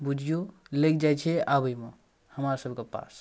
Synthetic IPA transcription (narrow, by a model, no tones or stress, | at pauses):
bud͡ʒʱijulek̚d͡ʒajt͡ʃʰɛabəjme | həmaɾsəbʱkepa̰s